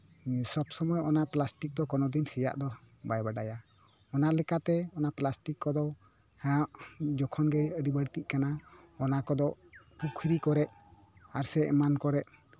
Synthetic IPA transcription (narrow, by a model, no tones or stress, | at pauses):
sɔbsɔmɔjɔnaʔplasʈik̚d̪ɔkɔnɔd̪insija̰ʔd̪ɔ | bajbaɖaja | ɔnaʔlɛkat̪ɛɔnaʔplasʈikːɔd̪ɔ | hãʔd͡ʒɔkʰɔnɡɛəɖibəɽt̪iʔ̚kanaɔnakɔd̪ɔpukʰɾikɔɾɛʔ̚ | aɾsɛʔmankɔɾɛʔ